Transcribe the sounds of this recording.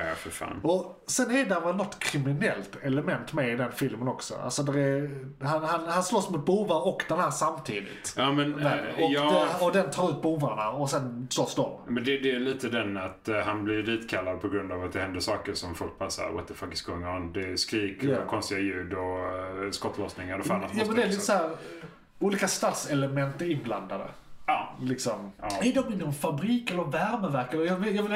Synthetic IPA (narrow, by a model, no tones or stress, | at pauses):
fəɾfa̰ːnɔ | sɛnɛdɛvɛlnɔt̪ːkʰɾɪmɪnɛlt̪ɛləmɛnt̪mɛɪd̪ɛnfɪlmənɔksɔ̰a̰lsɔd̪æɾɛhanhanhanslɔsːmʊt̪̚buːvaɾɔkːd̪ɛnhæːɾʂamt̪ʰiːd̪ɪ̰t̪jɑːmɛnɛɔjːɛɔd̪ɛnt̪ʰɑːɾʉ̟ːt̪̚buːvaɳaɔsɛnslɔsːd̪ɔmmɛnd̪ɛd̪ɛːliːt̪əd̪ɛnat̪hanblɪɾd̪iːt̪kʰalːad̪̚pʰɔɡɾɵnd̪avat̪̚d̪ɛhɛnd̪əʂɑːkəɾʂɔmfɔlk̚bʰasa̰ɾwa̰t̪d̪ɛfakɪ̥sɡŋːaɔnd̪ɛskɾiːkkʰɔnst̪ɪɡajʉ̟ːd̪ɔskɔt̪ːlɔsnɪŋaɾɔfanat̪jːmɛnd̪ɛɾliːt̪əshæːɾ | uːliːkast̪at̪sɛləmɛnt̪əɾɪnbland̪ad̪ə̰ | lɪksɔmæɖɔmɪnːɔmfabɾiːkɛlɔvæɾməvæɾkaɾəjɑvɪjɑvɪl